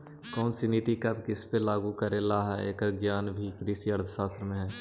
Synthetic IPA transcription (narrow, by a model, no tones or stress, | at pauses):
kɔːnsiniːt̪ikɐbkɪspelaːɡukəɾẽlaːɦḛːkəɾɡjaːnbʱikɾiːsiəɾd̪ʰʱsaːt̪ɾəmẽɦɛ̃ː